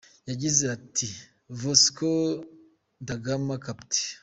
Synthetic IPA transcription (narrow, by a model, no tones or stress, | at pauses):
jaɟizeati | vosko | ndaɡamakapti̥